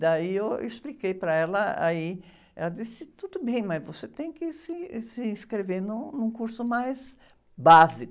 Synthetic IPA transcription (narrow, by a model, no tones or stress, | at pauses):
d̪aiewḛsplikejpɾɐɛlɐa̰i | ɛ̰lɐd̪isɪt̪ud̪ʊbẽj̃mɐzvoset̪ẽj̃kɪsɪsɪĩskɾevenʊ̃nũkuɾsʊmajz | bazikʊ